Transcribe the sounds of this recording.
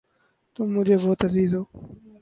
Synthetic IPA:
t̪ʊmːʊd͡ʒʱeːbɔːt̪əziːzɦoː

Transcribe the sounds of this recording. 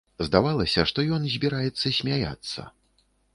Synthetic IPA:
zd̪avalˠɐsʲɐʂt̪ɔjɔnzʲbʲiɾajɛt̪sːɐsʲmʲaja̰t̪sːɐ̰

